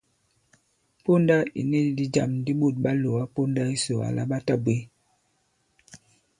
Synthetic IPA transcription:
po˦nda˦ḭ˨ne˦˨˦di˦d͡ʒa˨mdi˦ɓu˦˨t̚ɓa˦lo˨a˦po˦nda˦i˦so˨a̰˨la̰˦ɓa˦ta˦bwe˦

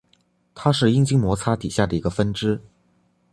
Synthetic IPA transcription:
t̪ʰa˥ʂɻ̩˥˩i˥ŋt͡ɕi˥ŋmwɔ˧˥t͡sʰa˥t̪i˨˩ɕja˥˩d̪ə˩i˧˥ɡə˧fə˥nʈ͡ʂɻ̩˥

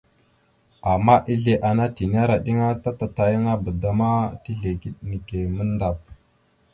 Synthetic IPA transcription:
a˨mːa˦ʔi˦ɮe˨ʔa˨na˦ti˨n˦a˦ɾa˨ɗi˦ŋa˦ta˦ta˨ta˨jə˦ŋa˦bə˨da˦ma˦ti˦ɮe˨ki˦ɗni˨ke˨mə˦nda˨p̚

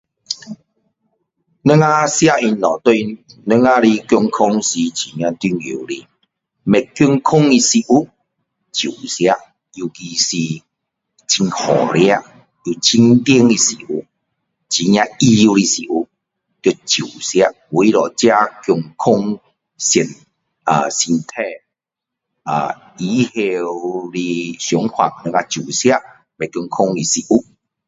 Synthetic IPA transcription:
nə˦ŋa˦sja˦i˧nnɔ˨t̪u˧nə˦˧ŋa˦˧ɾi˧kjɔ˧ŋkʰɔ˧ŋsi˨˧t͡ɕi˨ɲã˧t̪i˧˦ŋḭ˨wlḭ˧ | mɛ˨kːju˧ŋkʰʊ˦ŋi˧si˧ʔu˦˧ | t͡ɕu˨sja˧ | ju˧ki˧si˧ | t͡ɕʰi˧ŋhɔ̰˨˩ɾja˦˧ | u˧t͡ɕʰi˧ŋt̪i˦ŋi˧si˨u˧ | t͡ɕi˨˦ɲã˧i˧u˧ɾi˧si˨u˧ | t̪jo˧t͡ɕiu˨˩˨sja˧ | wi˦lɔ˨˩t͡ɕja˦kju˧ŋkʰo˧ŋ | si˨˩n | a˨˩si˧nt̪ʰɛ˧ | a̰˨˩ | i˨˦he˧wli˧ɕjɔ˨˦ŋkʰwa̰˨˩k̚nə̃˧ŋa˧t͡ɕju˨˩sja˦ | be˨kju˧ŋkʰo˧ŋi˨si˨u˦

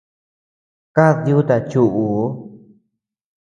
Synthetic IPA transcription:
ka˦ðju˦t̪a˧t͡ʃu˧ʔu˨˦

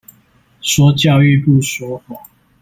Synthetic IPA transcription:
swɔ˨˥˦t͡ɕjɑ˥˧ʊy˥˧pu˥˨swɔ˨˦xɔ˨˩˦

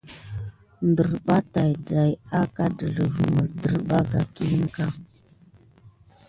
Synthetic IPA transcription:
ndə˨ɾɓa˦ta˨jda˨ja˦ka˦də˨ɮə˨və˨mə˨sdə˨ɾɓa˦ɡa̰˨ki˦ŋ˦ka˦

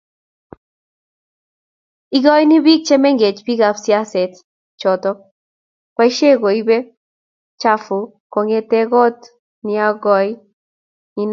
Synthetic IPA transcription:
i˦ɡɔ˦jnɪ˦bi˦k̚t͡ʃe˦me˦ŋɡe˨t͡ʃpi˦ɡa˨fsɪa˦sɛ˨t̪ | t͡ʃɔ˨t̪ɔ˦ | kwa˦ʃe˦ɡo˨i˦be˦ | t͡ʃa˦fʊ˨ | ko˨ŋe˦t̪e˦ɡɔ˦t̪ | nɪ˦a˦ɡɔ˦j | ni˦n

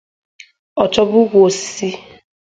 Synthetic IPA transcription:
ɔ˨t͡ʃɔ˦bʊ˦ɡʷo˨ssi˦

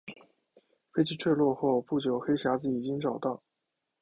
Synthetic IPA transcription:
fe˥ɪt͡ɕʰi˥˧ʈ͡ʂʰə˥˧lwɔ˥˧xo˥˧ʊpu˥˩t͡ɕjo˨˩ʊxe˥ɪɕja˧˥d͡zɹ̩˨˩i˨˩t͡ɕi˥ŋʈ͡ʂɑ˨˩ʊt̪ɑ˥˩ʊ

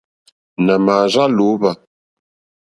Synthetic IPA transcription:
nə˨ma˨za˦lu˨˦ba˨

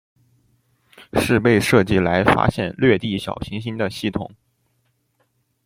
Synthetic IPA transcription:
ʂɻ̩˥˧pe˥˧ɪʂɤ˥˧t͡ɕi˥˩la˧˥ɪfa̰˥ɕjɛ˥˧nlɥɛ˥˧t̪i˥˩ɕjɑ̰˨˩ʊɕi˧˥ŋɕi˥nd̪ə˨ɕi˥˩t̪ʰʊ̰˨˩˦ŋ

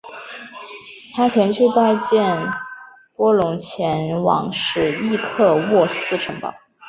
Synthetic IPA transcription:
t̪ʰa˥t͡ɕʰjɛ˧˥nt͡ɕʰy˥˧pa˥˧ɪt͡ɕjɛ˥˩n | pwɔ˥lʊ˧˥ŋt͡ɕʰjɛ˧˥nwɑ̰˧˩ŋʂɻ̩˨˧˩li˥˧kʰɤ˥˧wɔ˥˩sɹ̩˥˩ʈ͡ʂʰɤ˧˥ŋpɑ̰˨˩ʊ

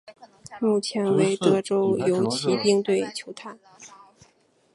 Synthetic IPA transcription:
mu˥˩t͡ɕʰjɛ˧˥nwe˧˥ɪt̪ɤ˥˩ʈ͡ʂo˥ʊjo˧˥ʊt͡ɕʰi˧˥pi˥ŋt̪we˥˩ɪt͡ɕʰjo˧˥ʊt̪ʰa˥˩˦n

